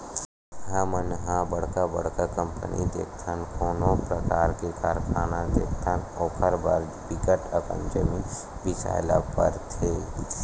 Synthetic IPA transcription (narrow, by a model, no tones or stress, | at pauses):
ɦəmənɦãbɐɽ̤kabɐ̰ɽ̤kakə̃mpənʔḭd̪ḛːkʰt̪ʰənkʰoːnõpɾəkaːɾkekaːɾkʰaːnad̪ḛːk̚ʰt̪ʰanɔːkʰəɾba̰ːɾ | bɪkəʈəkə̰̃ɲd͡ʒəmi | bɪsa̰ːɪlapə̰ɾt̪ʰeː